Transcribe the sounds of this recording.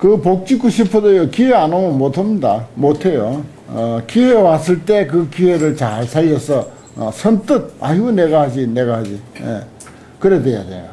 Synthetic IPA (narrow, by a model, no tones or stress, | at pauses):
kɯpok̚t͡ɕik͈ːoɕʰipʰɯdʌjokieanomomot̪ʰɯmdamot̪ʰejo | kiɦewasɯɭt̪ek̬ɯkiweɾɯɭt͡ɕaɭsʰaiʌsʌ | sʰʌnt̪ɯt̪̚a̰ɦimuneɡaɦad͡ʑineɡaɦad͡ʑijḛ | kɯɾedweja̰d̪ḛja